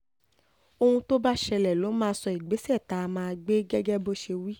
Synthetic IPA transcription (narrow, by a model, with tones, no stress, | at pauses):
o˧ũ˧to˦ba˦ʃɛ˧lɛ˨lo˨˦mãː˦˧sɔ˧i˨ɡ͡be˨˦si˦ɛ˦˨ta˨˦˧mãː˧ɡ͡be˦ɡɛ˦ɡɛ˦bo˦ʃe˧wi˦